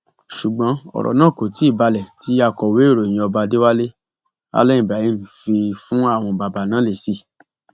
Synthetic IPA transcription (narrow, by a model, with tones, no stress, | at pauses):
ʃu˨ɡ͡bɔ̃˨˦ɔ̰˨ɾɔ̰˨nã˦˨ko˨ti˨˦i˦˨ba˧lɛ˨tʰi˨˦a˧kɔ˨we˨˦i˦˨ɾo˨j̃ĩ˧ɔ˧ba˧de˦wa˦le˦ | a̰˧˦lɛ̃˦i˦˨bɾa˨i˦m̩˨fi˧fũ˦a˦˨w̃ɔ̃˧ba˨ba˨nãː˨˦le˨si˦˨